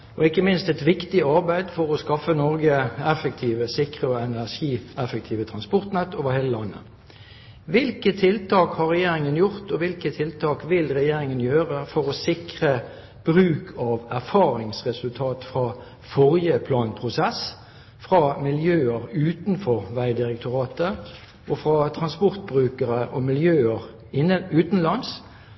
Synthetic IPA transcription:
ʔɔɪkːəmɪnst̪ɛt̪ʋɪkt̪ɪɑʁbæɪd̪fɔʁɔskɑfənɔʁɡəɛfək̚t̪ʰiːʋəsɪkʁəɔɛnæʁʂiːɛfək̚t̪ʰiːʋət̪ʰʁɑnspɔʁt̪nɛt̪ːoːʋəheːləlɑnːə̰ | ʋɪlkət̪ʰɪlt̪ʰɑːkhɑʁɛjeːʁɪŋənjʊʁt̪ɔʋɪlkət̪ʰɪlt̪ʰɑːkʋɪlʁɛjeːɾɪŋənjøːʁəfɔʁɔsɪkʁə | b̥ʁʉːkʰɑʋæʁfɑːʁɪŋsʁɛsʉlt̪ʰɑːt̪fʁɑː | fɔʁjəpʰlɑːnpʰʁʊsɛs | fʁɑːmɪljøːəʁʉːt̪nfɔʁʋæɪd̪ɪʁɛk̚t̪ʰʊʁɑːt̪ə | ʔɔfʁɑt̪ʰʁɑnspɔʁt̪̚bʁʉːkəʁəʔɔmɪljøːəʁ | ɪʉːt̪n̩lɑns

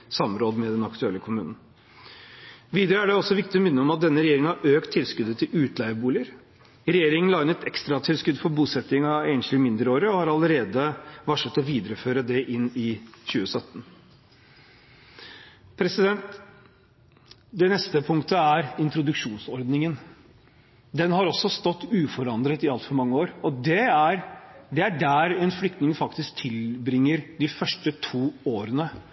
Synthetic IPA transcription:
sɑmɾoːd̪mɛd̪ɛnɑkt̪ʰʉɛlːəkʰʊmʉ̰ːnn̩ | ʋiːd̪əɾəæɖɛɔsːɔʋɪk̚t̪ɪɔmɪnːəɔmɑt̪̚d̪ɛnːəɾɛjeːɾɪŋənɑɾøːkt̪ʰːɪlskʉd̪ət̪ʰɪlʉːt̪ʰlæɪʋəbuːlɪəɾ | ɾɛjeːɾɪŋənlɑɪnət̪ɛkst̪ɾɑt̪ʰɪlskʉd̪fɔɾbuːsɛt̪ːɪŋɑeːnʂlɪmɪnd̪ɾəoːɾəɔhɑɾɑləɾeːd̪əʋɑʂət̪ːɔʋiːd̪əɾəføːɾəd̪ɛʔɪnːɪɕʉːəsœt̪ːn̩ | pʰɾɛsɪd̪ɛnt̪ | d̪ɛnɛst̪əpʰʊŋkt̪əæɾɪnt̪ɾʊd̪ʉkʂuːnsɔɾd̪nɪŋən | d̪ɛnhɑɾɔsɔst̪ɔt̪ːʉːfɔɾɑnd̪ɾət̪ɪɑlt̪fɔɾmɑŋːəoːɾɔd̪ɛæɾd̪ɛæɖæɾɛnflʏkt̪nɪŋfɑkt̪ɪsk̚t̪ʰɪlbɾɪŋːəɾd̪ɪfœʂʈət̪ʰuːoːɾənə

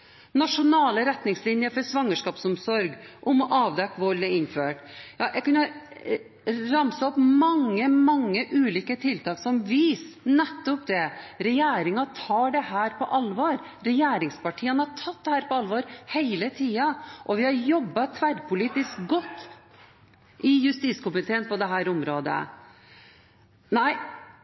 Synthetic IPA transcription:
nɑʂʊnɑːləɾɛt̪nɪŋslɪnjəfɔɾʂʋɑŋːəʂkɑːpsɔmsɔɾɡʔʊmɔʔɑːʋd̪ɛkːʋɔɾlɛɪnføːʈjɑːʔɛɪkʉnːɑ | ɾɑmsəɔpmɑŋːəmɑŋːəʔʉːliːkət̪ʰɪlt̪ɑːksɔmʋiːsnɛt̪ːɔpd̪ɛɾɛjæːɾɪŋɑt̪ʰɑːɖɛhæːɾpʰɔʔɑlʋɔːɾ | ɾɛjeːɾɪŋspɑʈʰiːənhɑɾʈʰɑt̪̚d̪ɛhæːɾpɔɑlʋɔːɾheɪlət̪ʰiːɑʔɔʋɪhɑɾjɔbːɑt̪ʰʋæɾpʰʊliːt̪ɪskɡɔt̪ː | ʔɪjʉst̪iːskʊmɪt̪ʰeːənpɔd̪ɛɦæːɾʊmɾoːd̪ə̰ | næɪ

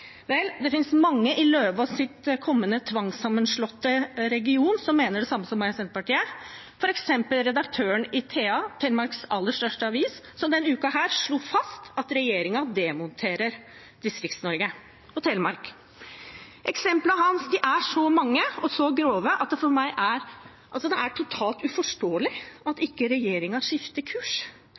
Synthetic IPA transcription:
ʋɛld̪ɛfɪnsmɑŋːəʔɪløːʋɑsɪt̪kʰɔmːənət̪ʰʋɑŋsɑmːənʂɭɔt̪ːəɾɛɡɪuːnsɔmːeːnəɖɛsɑmːəsɔmːɑɑsɛnt̪əpɑʈiːə | fɔɾɛksɛmpəlɾɛd̪ɑkt̪ʰøːəɳɪt̪ʰeːɑt̪ʰɛlmɑɾksɑlːəʂʈœʂʈəɑʋiːs | sɔmd̪ɛnʉːkɑhæːɾʂɭuːfɑst̪ɑt̪ɾɛjeːɾɪŋɑd̪ɛmɔnt̪ʰeːɾəɾ | d̪ɪskɾɪkt̪snɔɾɡə | ɔt̪ʰɛlmɑɾk | ʔɛksɛmpləɦɑnsd̪ɪʔæʂɔmɑŋːəɔsɔɡɾoːʋəʔɑt̪̚d̪ɛfɔɾmæɪʔæɾ | ʔɑlsɔd̪ɛæʈʰʊt̪ʰɑːlt̪ʉfɔʂʈoːəlɪɑt̪ɪkːəɾɛjeːɾɪŋɑʂɪft̪əkʰʉːʂ

